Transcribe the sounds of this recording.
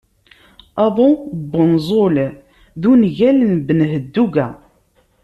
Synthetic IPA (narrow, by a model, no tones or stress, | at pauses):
æðˤobːənzˤol | ðunʝælənbənɦəd̪ːuɡæ